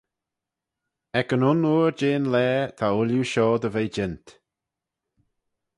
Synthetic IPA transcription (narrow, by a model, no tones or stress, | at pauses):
ɛkənʊnuːɹd͡ʒeːnlɛːt̪ʰaʊljuʃɔːd̪əvejd͡ʒɪnt̪